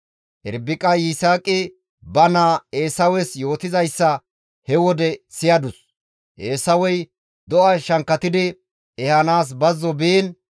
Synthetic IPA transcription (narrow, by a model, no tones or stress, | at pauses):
ʔɛ̰ɾbɪkʼɐjɪsaːkʼɪ | bɐnaeːsɐwɛsjo̞ːt̪ɪzɐjsːɐ | hɛwɔd̪ɛsɪjɐd̪ʊs | ʔeːsɐwɔj | d̪ɔʔɐʃɐŋkːɐt̪ɪd̪ɪ | ɛhɐnaːs̬bɐzːɔbiːn